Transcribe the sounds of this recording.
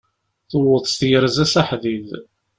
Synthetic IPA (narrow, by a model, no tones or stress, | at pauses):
θʊwəðˤst̪jəɾzæsaħðið